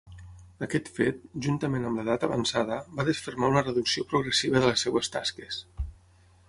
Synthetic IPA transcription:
əkɛt̪fet̪̚ʒunt̪əmenəmləðat̪əβə̰nsaðəbaðəsfərmaunərəðuksiopɾuɣɾəsiβ̞əðələsɛwəst̪a̰skəs

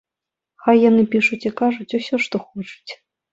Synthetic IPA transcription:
xajːanɨpʲiʂutʲikaʐʊtʲʊsʲɔʂt̪oxot͡ʃu̥tʲ

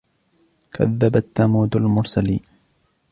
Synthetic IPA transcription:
kʰa̰ðːabat̪ːamuːd̪almʊɾˤsaliːn

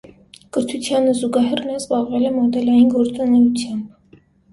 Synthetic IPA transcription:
kəɾt̪ʰut͡sʰjɑnəzuɡɑɦɛrnɑzbɑʁvɛlɛmɔd̪ɛlɑjinɡɔɾt͡sɑnɛɾut͡sʰjɑmb

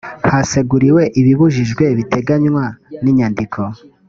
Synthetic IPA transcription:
hase̞ɡuɾiwe̞ʔiβiβuʒiʒɡwe̞βitʰe̞ɡaɲwaniɲandikʰo̞

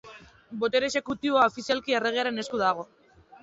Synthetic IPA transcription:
bo̞t̪e̞ɾese̞kut̪iβo̞aofisialkie̞re̞ɣeaɾe̞ne̞skuðaɣ̞o̞

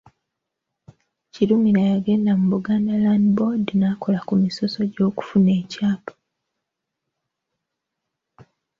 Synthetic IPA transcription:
ciɾumiɾajaɡe̞ːndamuβuɡaːndalandbo̞dinaːko̞lakumiso̞so̞ɟo̞ːku̥fune̞ːcaːpḁ

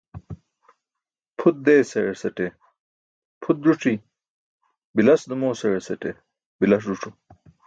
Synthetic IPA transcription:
pʰut̪̚d̪eːsɐesɐʈe | pʰut̪̚ɾuʈ͡ʂi | bilɐsd̪ɐmoːsɐɻesɐʈe | bilɐs̬ɾuʈ͡ʂu

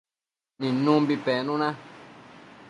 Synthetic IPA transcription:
nĩnũmbipɛːnũnã

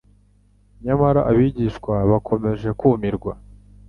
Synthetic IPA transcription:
ɲamaɾaʔaβiɟiʃkwaβakʰo̞me̞ʒe̞kuːmiɾɡwa

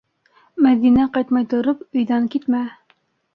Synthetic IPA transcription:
mæðinæqɑjt̪mɑjt̪ŏɾopɵ̆jðæŋkit̪mæ

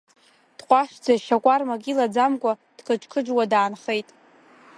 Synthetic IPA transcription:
d̥qʷʼaʃd͡zaʃakʷʼarmaɡʲʼilad͡zamkʷʼad̥kʰəʈ͡ʂʰʼkʰɨd͡ʒwadaːnχe̞jtʼ

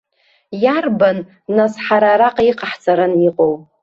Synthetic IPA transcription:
jarbanː | asħaɾaɾaqʼiqʼaħt͡sʼaɾaniqʼow

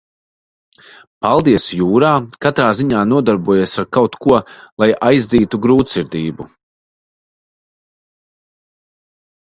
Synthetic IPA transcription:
palˠd̪iɛsjuːɾaːkat̪ɾaːziɲaːnuɔd̪aɾbuɔjisaɾkawt̪kuɔlˠajʔajzd̪ziːt̪uɡɾuːt̪siɾd̪iːbu

